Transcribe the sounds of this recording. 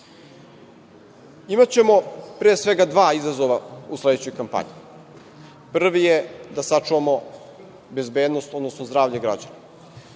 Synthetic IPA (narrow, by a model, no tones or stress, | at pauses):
imat͡ɕe̞mo̞pɾeːsʋe̞ɡad̪ʋaːizazo̞ʋausle̞d̪t͡ɕojkampa̰ɲi | pr̩ʋijed̪asat͡ʂuʋamo̞ | be̞zbe̞ːd̪nost̪od̪nosnozd̪ɾaːvʎeɡɾa̰d͡ʑana